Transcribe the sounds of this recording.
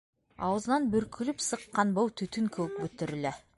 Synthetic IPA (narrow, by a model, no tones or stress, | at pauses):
ɑ̰wəzənɑnbʏɾkʲʰʏlɪpsəqːɑnbowt̪ʰɵt̪ɪŋkʲʰɵwɪp̚bɵt̪ɪɾɪlɪ